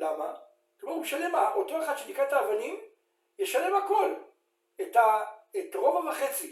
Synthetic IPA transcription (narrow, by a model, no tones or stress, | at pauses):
lama | kmouʃale̞maʔoto̞eχad̪̥ʃenikʁaetaːvanim | jeʃale̞mhako̞l | etaetʁo̞vavaχe̞t͡si